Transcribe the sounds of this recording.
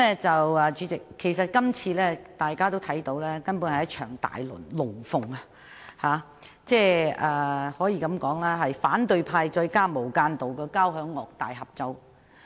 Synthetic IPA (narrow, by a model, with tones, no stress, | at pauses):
ɛː˥t͡sɐ˨wɐː˨t͡ʃyː˨˥t͡sɪ˨kʰːe˨˩jsɐ˨t̚kɐ˥mt͡sʰiː˧lɛː˥t̪aː˨jkaː˥t̪o˥wt̪ʰɐ˨˥jt̪o˧˥wlɛː˥kɐ˥npu˨˥nhɐ˨jɐ˥t̚t͡ʃʰœː˨˩ŋt̪a̰ː˨jlʊ̰˨˩nlʊ˨˩ŋfʊ˨ŋɐ˧ | haː˨˧ | t͡sɛː˥˩ɐː˨˩hɔː˨˥jiː˧kɐ˨˥mkɔː˨˥ŋlaː˥ɦɐ˨jfaː˨˥nt̪ɵ˨˧ɥpʰaː˧jt͡ʃɔː˧jkaː˥mo˨˩wkaː˧nt̪o˨wkɛː˧kaː˥whœː˨˥ŋːɔː˨k̚t̪a̰ː˨jɦɐ˨p̚t͡sɐ˧w